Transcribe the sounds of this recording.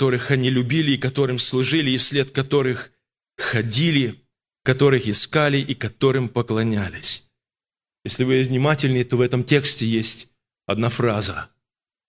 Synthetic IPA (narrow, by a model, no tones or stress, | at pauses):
t̪o̞ɾɨxɐnʲilʲʊbʲilʲɪːkɐt̪o̞ɾɨmslˠʊʐɨlʲɪːfsʲlʲet̪̚kɐt̪o̞ɾɨx | xɐdʲilʲɪ | kɐt̪o̞ɾɨxɪskalʲɪʔikɐt̪o̞ɾɨmpəklˠɐnʲælʲɪsʲ | jesʲlʲɪbɨlʲɪvnʲɪmatʲɪlʲnɨjt̪o̞vɛt̪əmtʲe̞ksʲtʲɪjesʲtʲ | ɐd̪nafɾazə